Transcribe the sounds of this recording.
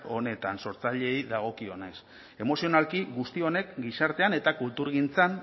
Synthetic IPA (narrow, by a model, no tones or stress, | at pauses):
o̞ne̞t̪anso̞ɾt͡saʎe̞jðaɣ̞o̞kio̞ne̞s | e̞mo̞sio̞nalkiɡust̪io̞ne̞kɡisaɾt̪e̞ane̞t̪akult̪uɾɣint͡san